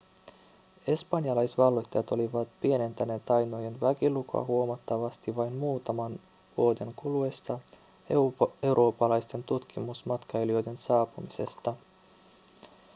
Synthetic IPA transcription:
e̞spɑnjɑlɑjsʋɑlːo̞jt̪ːɑjɑt̪o̞liʋɑt̪pie̞ne̞nt̪æne̞t̪ɑjno̞jenʋækiluko̰ɑ̰ɦuomɑt̪ːɑʋɑst̪iʋɑjnmuːt̪ɑmɑn | ʋuo̞de̞ŋkulue̞st̪ɑ | e̞wɾʔo̞ːpːɑlɑjst̪e̞nt̪ut̪kʰimusmɑt̪kɑelio̞jde̞nsɑːpumise̞̰st̪ɑ

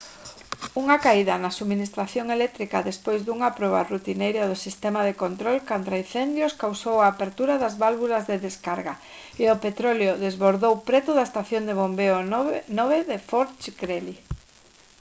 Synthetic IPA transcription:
uŋakaiðanasuminist̪ɾaθjoŋelɛk̚t̪ɾikaðespojzðuŋapɾɔβa̰rut̪inejɾaðʊsist̪emaðekont̪ɾolkant̪ɾain̟θɛnd̪jʊskawsowaːpeɾt̪uɾaðazβalβulazðeðeskaɾɣa | eopet̪ɾoleoðezβoɾðowpɾɛt̪ʊðaest̪aθjond̪eβombeonoβeðefoɾt͡ʃkɾeli

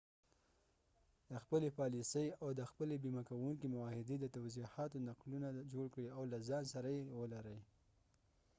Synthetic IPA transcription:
d̪̥əxpəlepɑlisəjawd̪əxpəlebimakawuŋkimʊwɑhɪd̪ed̪ət̪awzihɑt̪onaqlunad͡ʒoɽkɽiawlazɑnsaɾajewəlaɾəj

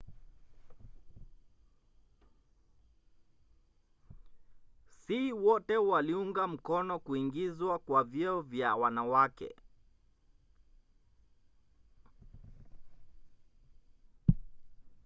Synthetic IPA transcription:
siwɔtɛwaliuŋɡam̩kɔnɔkuiŋɡizwakwavjɛɔvjawanawakɛ̰

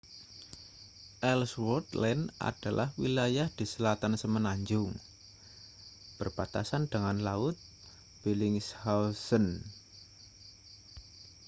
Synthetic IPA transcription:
ʔɛlswɔrt̪lɛnʔa̰d̥a̤lʔa̰hwilajahd̪̥i̤səlat̪ansəmənaɲd͡ʒʊŋ | b̥ərb̥at̪asand̪̥əŋanlaʊt̪̚ | b̥elɪŋshasən

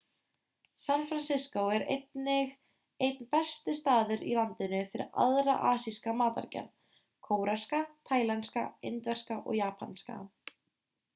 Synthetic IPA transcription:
sanfɾansɪskowɛɾḛjt̪nɪɣ | ejt̪̚npɛst̪ɪst̪aːðʏɾḭlant̪ɪnʏfɪɾɪ̰ɾa̰ðɾaʔaːsiskamaːt̪a̰ɾcɛ̰ɾð | kʰoːwɾaskat̪ʰaːjlanska̰ent̪vɛr̥skaʔɔ̰ɣjaːpʰanska̰

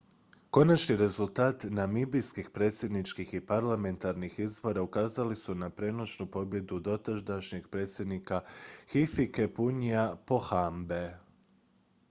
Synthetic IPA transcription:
ko̞nat͡ʃniɾe̞zulˠt̪aːt̪namibijskixpɾe̞ːt̪sje̞d̪nit͡ʃkixipaɾlame̞nt̪aɾnixizbo̞ɾaukaːzalisunapɾe̞nosnupo̞bje̞d̪ud̪o̞t̪aʒd̪aʃɲeɡpɾe̞ːt̪sje̞d̪nikaxifike̞puɲiapo̞xambe

